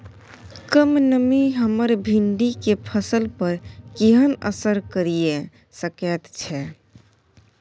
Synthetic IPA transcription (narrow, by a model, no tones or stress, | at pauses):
kəmnəmiɦəməɾbʱiɳɖikepʰəsəlpəɾkeɦənə̰səɾkəɾije | səkɛt̪t͡ʃʰɛ